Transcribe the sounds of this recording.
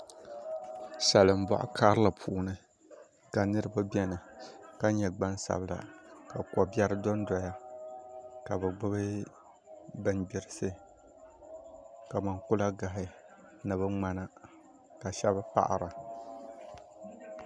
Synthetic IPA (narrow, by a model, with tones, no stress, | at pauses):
sa˨lɨ˨m˦ba̰˨ʔʊ̰˨kʰa˦ɾɨ˦la˨pʰuː˨˦nɨ˨ | ka˨nɨ˦ɾɨ˦ba˦bɛ˦nɨ˨ka˦ɲɛ˨ɡ͡ba˦n˦sa̰˨bɨ˦la̰˨ka˨kɔ˨bʲɛ˦ɾɨ˦dɔ˦n˦dɔ˨ja˦ | ka˨bɨ˨ɡ͡bɨ˦bɨ˦ | bɨ˦nbɪ˦˨ɾɨ˦sɨ˦ | ka˨ma˨nkʊ˦la˦ɡa˨ɦɪ˨ | nɨ˨βɨ˦ŋ͡ma˦na˦ | ka˨ʃɛ˦ba˦pa̰˨ʔa̰˨ɾa˨